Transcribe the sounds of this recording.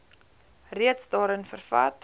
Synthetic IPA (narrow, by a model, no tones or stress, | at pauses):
riətsdɑːɾənfərfɐ̰t